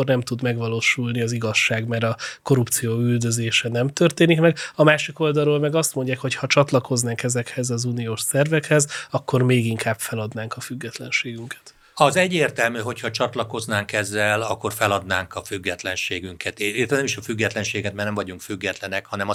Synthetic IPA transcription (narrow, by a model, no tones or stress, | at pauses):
ornɛmt̪ud̪mɛɡʋɒloːʃulniɒziɡɒʃːaːɡmɛɾɒko̞ɾupt̪sijoːyld̪ø̞zeːʃɛnɛmt̪ørt̪eːnikmɛɡɒmaːʃiko̞ld̪ɒlːoːlmɛɡɒst̪mo̞ɲɟaːkho̞chɒt͡ʃɒt̪lɒko̞znaːŋkɛzɛkhɛzɒzunioːʃsɛrvɛkhɛzɒkːo̞rmeːɡiŋkʰaːbfɛlɒd̪naːŋkɒfyɡːɛt̪lɛnʃeːɡyŋkɛ̥t̪ | ɒzɛɟːeːrt̪ɛlmyɦo̞chɒt͡ʃɒt̪lɒko̞znaːŋkɛzːɛlɒkːo̞rfɛlɒd̪naːŋkɒfyɡːɛt̪lɛnʃeːɡyŋkʰɛt̪eit̪ɛnɛmiʃɒfyɡːɛt̪lɛnʃeːɡɛt̪̚mɛrnɛmvɒɟuŋkfyɡːɛt̪lɛnɛkhɒnɛmɒ